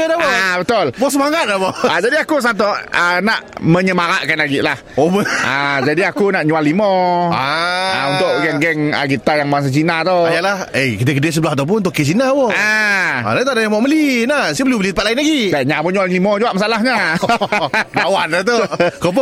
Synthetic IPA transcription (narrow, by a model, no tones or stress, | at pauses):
ədapobət̪olbɔs̬əmaŋat̪̚laboad͡ʒadiakus̬ant̪ɔənaʔməɲəmaɾaʔkanlaɡiʔlah | obəʔad͡ʒadiakunaʔɲualːimɔaaunt̪ʊʔɡɛŋɡɛŋəkit̪ajaŋmaaŋs̬at͡ʃinat̪oajalahejkit̪əkədəsəbəlaɦt̪awp̬ʊnunt̪ʊʔkːet͡ʃinawoaa̰lat̪adajamɔʔməlinasəbəlubəlit̪əpat̪̚laɪnlaɡidaɲaboɲuallimɔd͡ʒuaʔmasalaɦɲa | lawanat̪okop̬ɔ